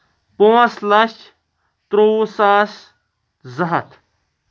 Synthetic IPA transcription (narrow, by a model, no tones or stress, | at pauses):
poːɐslɐʃ | t̪ɾoːsaːs | zɐɦɐt̪